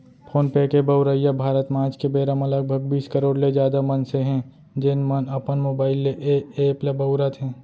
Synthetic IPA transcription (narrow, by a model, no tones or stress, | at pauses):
pʰoːnpeːkebəʊɾəjabʱaːɾət̪mãːt͡ʃkebeːɾəmɐləɡ̚bʱəɡ̚biːskəɾoːɽled͡ʒjaːd̪amɐnseɦɛ̃ | d͡ʒɪnmənɐpənmoːbaːɪlːeʔeepləbɐʊɾət̪ɦɛ̃ː